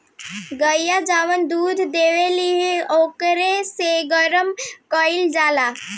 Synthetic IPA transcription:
ɡəjad͡ʒaʋənd̪uːd̪ʱd̪eʋeliɦeokɾeseɡəɾəmkəild͡ʒala

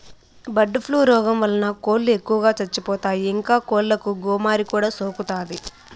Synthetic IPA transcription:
bɐɖːupʰluːɾɔːɡɐmʋɐlɐnɐkoːlːue̞kːuʋɐɡaːt͡ʃɐt͡ʃːipɔːt̪aːjiiŋkaːkoːllɐkuɡɔːmaːɾikuːɽaːsoːkut̪aːd̪i

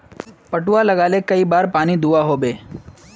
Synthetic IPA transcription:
pɐʈʊalɐɡaːlekɐibaːɾpaːnid̪uaɦoːbeː

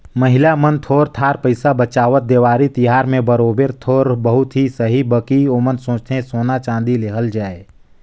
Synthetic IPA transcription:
məɦɪlamənt̪ʰoːɾt̪ʰaːɾpəɪsabət͡ʃaːʋət̪̚d̪eːʋaːɾit̪ɪɦaːɾmẽbəɾoːbeɾt̪ʰoːɾbəɦʊt̪ɦisəɦibəkioːmənsõːt͡ʃt̪ʰẽsoːnat͡ʃãːnd̪ileɦəld͡ʒaːe

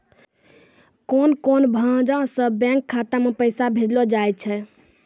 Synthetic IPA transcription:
konkonbʱəd͡ʒãsə̃bɛ̃ŋkʰːat̪amepəɪsabʱed͡ʒlɔd͡ʒajt̪̚t͡ʃʰɛ

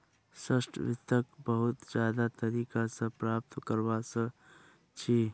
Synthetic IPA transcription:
səsʈʰʋɪt̪ːəkbəɦʊt̪d͡ʒjaːd̪at̪əɾiːkasə̃pɾaːp̚t̪kəɾbasə | t͡ʃʰi

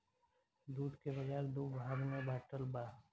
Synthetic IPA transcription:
d̪uːd̪kebɐd͡ʒaːɾd̪oːbʱaːɾmẽbaːʈəlbaː

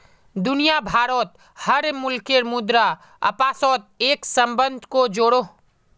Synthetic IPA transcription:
d̪ʊnijabʱaːɾɔːt̪̚ | həɾmʊlkeɾmʊd̪ɾa | ɐ̰paːsɔːt̪̚eːksə̃mbə̃nd̪ʱkod͡ʒoːɽo

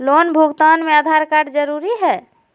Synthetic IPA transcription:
lonbʱuɡt̪anmead̪ʱaɾkaɾɖd͡ʒəɾuɾiɦɛ

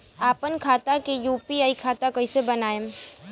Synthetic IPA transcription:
aːpənkʰaːt̪akejuːpiaːikʰaːt̪akɐisebɐnaːe

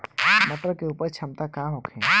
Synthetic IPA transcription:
məʈəɾkeuːpəɾt͡ʃʰɐmt̪akaɦokʰẽ

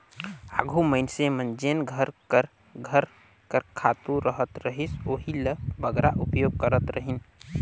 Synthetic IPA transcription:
a̰ɡʱuməɪnsemənd͡ʒenɡʱəɾkəɾ | ɡʱəɾ | kəɾkʰat̪uɾəɦət̪ɾəɦisoːɦiləbəɡɾaʔupjoɡ̚kəɾət̪ɾəɦin

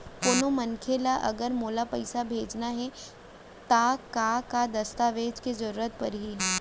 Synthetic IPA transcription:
koːnomɐ̃nkʰelaʔɐ̰ɡəɾmoːlapɐɪsabʱeːd͡ʒnaɦɛ | t̪akakad̪ɐst̪aːʋeːd͡ʒkezɐɾuːɾət̪̚pɐɾɦi

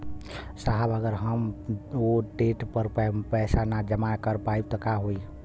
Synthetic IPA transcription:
saɦəbəɡəɾɦəmoʈeʈpəɾppɛɪsanad͡ʒəmakəɾpaib̚t̪ɔkaɦoi

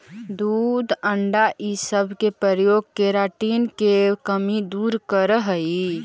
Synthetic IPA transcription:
d̪uːd̪əɳɖaʔisəbʱkepɾəɾjoːɡ̚keɾaːʈiːnkekəmid̪uːɾkəɾɦəi

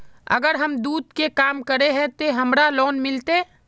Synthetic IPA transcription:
ə̰ɡəɾɦəmd̪uːd̪̚kekaːmkəɾeɦɛ̃t̪oɦɐmɾalɔːnmɪlt̪e

